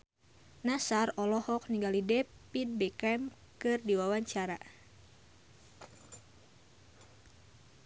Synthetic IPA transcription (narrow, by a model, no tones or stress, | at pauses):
nasarɔlɔhɔk̚niŋɡalidɛpinbɛkɛm | kɨrdiwawaɲt͡ʃaɾa̰